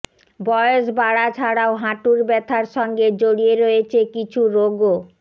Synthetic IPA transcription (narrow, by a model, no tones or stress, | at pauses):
bɔjoʃ̬baɽat͡ɕʰaɽaoɦãʈuɾbɛt̪ʰaɾʃɔŋɡed͡ʑoɽieɾoet͡ɕʰekit͡ɕʰuɾoɡo